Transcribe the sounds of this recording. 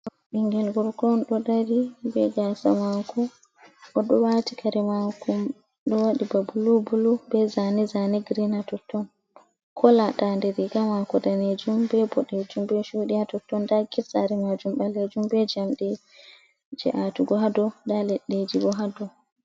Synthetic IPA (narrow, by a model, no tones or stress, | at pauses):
ɓiŋɡɛlɡɔɾkɔnɗɔdaɾibɛ̰ɡasamakɔ | ʔɔɗɔwatikʰaɾɛmakum | ɗɔwaɗibabulubulubɛzanizaniɡɾinatɔtːɔn | kʰɔlaɗandɛɾiɡamakɔdaned͡ʒumbɛbɔɗed͡ʒumbɛʃuɗiatɔtːɔndaɡisaɾɛmad͡ʒumbaled͡ʒumbɛd͡ʒamɗɛ | d͡ʒɛ̰ʔatuɡɔɦadɔdalɛɗːed͡ʒiɡɔɦadɔ